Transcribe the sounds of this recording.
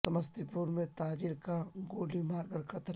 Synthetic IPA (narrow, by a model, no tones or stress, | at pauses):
sɐməst̪ipuːɾmẽt̪aːd͡ʒɪɾkaɡoːlimaːɾɡəɾkɐt̪ɾ